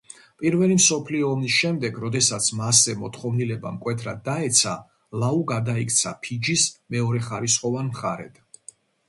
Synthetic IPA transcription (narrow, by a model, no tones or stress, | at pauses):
pʼiɾvɛlimsɔpʰliɔːmisʃɛmd̪ɛɡɾɔd̪ɛsat̪sʰmasɛmɔt̪ʰχɔvnilɛba̰mkʼwɛt̪ʰɾa̰d̪ːaɛt̪sʰa | lauɡad̪aikʰʼt̪sʰa̰pʰid͡ʒismɛɔɾɛχaɾisχɔvanmχaɾɛ̰d̪̥